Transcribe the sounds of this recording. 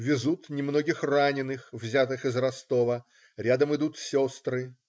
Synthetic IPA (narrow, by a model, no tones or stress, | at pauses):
vʲɪzut̪nʲɪmno̞ɡʲɪxranʲɪnːɨxvzʲat̪ɨxɪzrɐst̪o̞və | ɾʲad̪əmɨd̪ut̪sʲo̞st̪ɾɨ